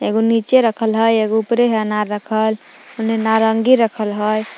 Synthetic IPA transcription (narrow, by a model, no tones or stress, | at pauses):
eɡonit͡ʃeɾəkʰəlɦəjeɡoupɾeɦənaɾəkʰəl | onenaɾəŋɡiɾəkʰəlɦəj